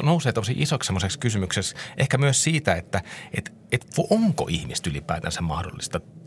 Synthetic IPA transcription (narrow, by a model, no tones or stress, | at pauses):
nouseːt̪osiʔisoksemːˑosekskysymyksesʔehkæmyøssiːt̪æet̪ːæet̪ | et̪ʋuʔoŋko̰ʔihmist̪ylipˑæ̰ˑːt̪æ̰nsæmmɑ̰hdo̰lːist̪ɑ